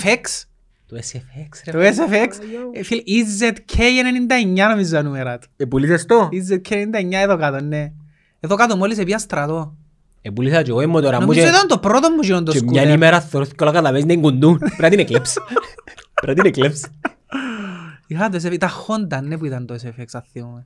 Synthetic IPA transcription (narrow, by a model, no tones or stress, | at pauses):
feks | t̪oesefekst̪oes̬efeksfilizːet̪cʰejenenind̪ɐeɲːɐnomizːɐnumeɾɐt̪epulisest̪oizːet̪̚kʰenenind̪ɐeɲːɐeðokɐt̪onːe | eðokat̪omolis̬epiɐst̪ɾɐt̪o | epulisɐt͡ʃeɣoimːot̪oɾɐnomuieit̪ɐnt̪opɾot̪omːuʒinond̪ot͡ʃemɲɐnimeɾaθːeɾoθi̥kːolɐkɐt̪ɐvesinɐiŋɡund̪unpɾɐt̪inekleps | pɾɐt̪̬inekleps | ixɐt̪oes̬efit̪ɐxond̪ɐnːep̬uit̪ɐnt̪oesefeksɐθːiome